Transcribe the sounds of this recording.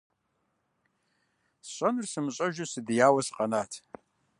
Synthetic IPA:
ɕʼɐnɨrsɨmɨɕʼɐʒusɨdɨjaːwɐsɨ̥qʼɐnaːtʰ

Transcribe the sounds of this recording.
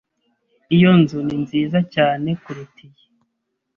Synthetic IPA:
ijo̞nzuninziːzacaːne̞kuɾutije

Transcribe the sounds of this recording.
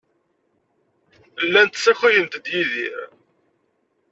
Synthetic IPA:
lːænt̪sːiχijənt̪d̪jiðḭɾ

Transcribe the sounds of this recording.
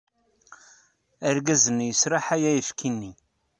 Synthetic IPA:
æɾɡæzənjəsɾˤɑħæjæjəfkinːi

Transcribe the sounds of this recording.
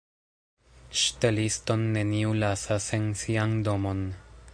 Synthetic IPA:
ʃtelisto̞nːe̞niulasasensiando̞mo̞n

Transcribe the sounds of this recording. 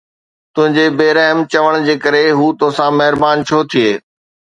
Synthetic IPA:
t̪ʊ̃ɦɪ̃ɲd͡ʑebeːɾɛɦəmt͡ɕɐʋəɽ̃d͡ʑeːkɐɾeɦuːt̪oɦsãmɐɦɪɾbaːnt͡ɕʰoːt̪ʰieː

